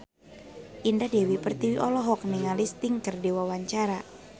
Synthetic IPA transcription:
ʔindadewipərt̪iwiʔɔlɔɦɔk̚niŋalist̪iŋkərdiwawaɲt͡ʃaɾa

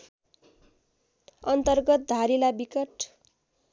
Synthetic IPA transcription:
ʌnt̪ʌrɡʌt̪̚d̪ʱaɾilabikʌʈ

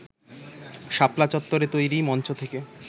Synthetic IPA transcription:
ʃaplat͡ɕɔt̪ːoɾet̪ojɾimɔnt͡ɕot̪ʰeke

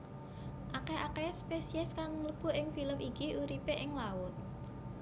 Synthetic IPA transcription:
ʔakeakespesiɛskaŋŋləb̥ʊ̤ɪŋfiləmikiʔuɾipeʔɪŋlaʊt̪̚

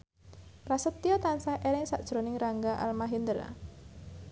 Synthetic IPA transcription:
prasət̪ːiɔt̪ansaheɾɪŋsaʔd̥ʒ̥ɾonɪŋraŋɡaʔa̰lmaɦind̪əɾa̰

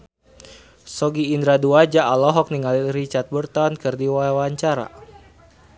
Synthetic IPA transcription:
sɔɡiːnd̪ɾaduad͡ʒaʔːlɔɦɔk̚niŋalirit͡ʃart̪̚bərt̪ɔnkɨrdiwawaɲt͡ʃaɾa̰

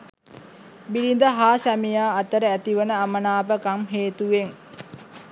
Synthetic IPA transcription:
bilind̪əɦaːsæmijaːt̪əɾəæt̪iʋənəamənaːpəkamɦeːt̪uʋeŋ

